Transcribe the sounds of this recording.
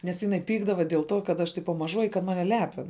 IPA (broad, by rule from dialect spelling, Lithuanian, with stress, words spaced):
nʲɛs ˈjɪˌnɐɪ ˈpʲiːɡdɐʋɐ dʲiɛlˠ ˈtoː kɐt ˈɐʃ ˈtʲɪpɐ mɐˈʒuɔjɪ ɪ kɐt ˈmɑːnʲɛ ˈlʲæːpʲɪn